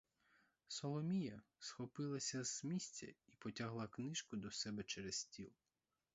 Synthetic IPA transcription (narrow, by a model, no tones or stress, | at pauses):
sɔlˠɔmʲijɐsxɔpɪlˠɐsʲɐz̥mʲisʲtʲɐ̰ipɔtʲaɦlˠɐknɪʃkʊd̪ɔsɛbɛt͡ʃɛɾɛstʲilˠ